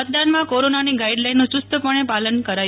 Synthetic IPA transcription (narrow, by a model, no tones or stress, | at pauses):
ət̪̚d̪anmãkoɾonaniɡaiɖlajnːũt͡ʃʊst̪əpəɳ̃epalənkəɾaj